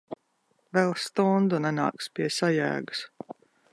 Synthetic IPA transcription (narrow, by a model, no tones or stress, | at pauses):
vɛlˠst̪ɔnd̪unɛna̰ːkspʲiɛsajæ̰ːɡu̥s